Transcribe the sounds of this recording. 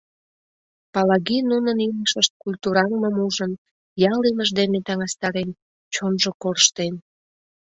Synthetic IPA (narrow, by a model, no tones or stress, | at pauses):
pɑlɑɣinunəniləʃəʃt̪̚kulʲt̪uɾɑŋməmuʒən | jɑliməʒd̪emet̪ɑŋɑst̪ɑɾen | t͡ɕonʒokoɾəʃt̪en